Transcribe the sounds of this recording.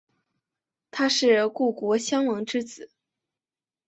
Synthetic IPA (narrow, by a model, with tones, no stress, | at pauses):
t̪ʰa˥ʂɻ̩˥˩ku˥˩kwɔ˧˥ɕjɑ˥ŋwɤ˧˥ŋʈ͡ʂɻ̩˥t͡sɹ̩˨˩˦